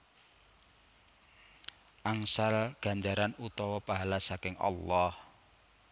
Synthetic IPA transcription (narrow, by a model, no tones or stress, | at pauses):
ʔaŋsalɡ̥a̤ɲd͡ʒaɾanut̪ɔwɔpaɦalasakɪŋʔɑ̰lːɑh